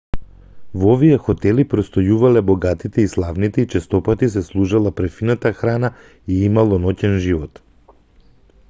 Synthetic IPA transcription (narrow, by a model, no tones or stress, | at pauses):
vovijɛxɔt̪ɛlipɾɔst̪ɔjuvalɛbɔɡat̪it̪ɛislˠavnit̪ɛit͡ʃɛst̪ɔpat̪is̬ɛslˠuʒalˠapɾɛfinat̪axɾana | iimalˠɔnɔcɛnʒivɔt̪